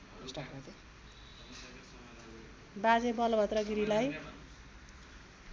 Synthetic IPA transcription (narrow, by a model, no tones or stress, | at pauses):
esʈakʰʌd̪e | bad͡zebʌlʌbʱʌt̪rʌɡiɾilaj